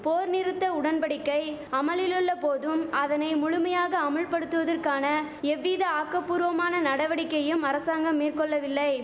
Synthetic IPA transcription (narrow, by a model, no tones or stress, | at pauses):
poːɾnɪɾɯt̪ːɐʊɽɐnpɐɽɪkːɐɪɐmɐlɪlɯɭːɐpoːðɯmɐðɐnɐɪmʊɻʊmɐjaːɣɐːmɐɭpɐɽɯt̪ːɯʋɐðɐrkaːnɐɛʋːiːðɐaːkːɐpːuːɾʋɐmaːnɐnɐɽɐʋɐɽɪkːɐjɯmɐɾɐsaːŋɡɐmːiːrkɔɭːɐʋɪlːɐɪ